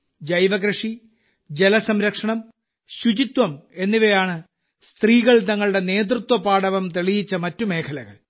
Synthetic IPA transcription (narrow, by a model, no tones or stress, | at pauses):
d͡ʑɐjʋɐɣɾɨʂi | d͡ʑelɐsɐmɾɐkʂɐɳɐm | ɕut͡ɕit̪wɐme̞nːiʋejaːɳɨ | st̪riːɣɐɭt̪ɐŋːɐɭuɽe̞ne̞ːd̪rut̪wɐpaːɽɐʋɐmt̪eɭijit͡ɕːɐmɐtːume̞ːkʰɐlɐɣɐ̰ɭ